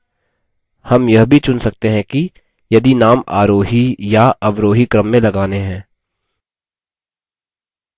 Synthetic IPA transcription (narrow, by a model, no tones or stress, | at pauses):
hɐmjɐɦbʱit͡ʃʊnsɐk̚t̪eɦɛ̃ki | jɐd̪inaːma̰ːɾoːɦijaʔɐʋɾoːɦikɾəmːẽlɐɡaːneɦɛ̃ː